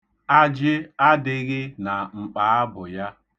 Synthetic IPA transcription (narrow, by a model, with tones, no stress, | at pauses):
a˦d͡ʒɪ˦a˦dɪ˦ɣɪ˦na˨ŋ͡m̩˨k͡pa˨˦a˦bʊ˨ja˦